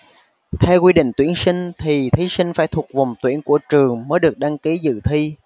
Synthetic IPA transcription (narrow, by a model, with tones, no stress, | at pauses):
t̪ʰɛ˧wkwi˧ɗḭ˧˨ŋ̟t̪wi˧˩ənsï˧ŋ̟t̪ʰi˨˩t̪ʰi˨˦sï˧ŋ̟faː˧˩jt̪ʰu˨˩t̚va˨˩wŋ͡mt̪wi˧˩ənku˧˩ət͡ɕɨ˨˩əŋməː˨˦jɗɨ˨˩ək̚ɗa˧ŋki˨˦zɨ̰˧˨t̪ʰi˧